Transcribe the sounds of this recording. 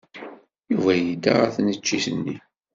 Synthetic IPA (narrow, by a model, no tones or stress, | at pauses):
juvæjəd̪a̰ʁæθnət͡ʃːiθənːi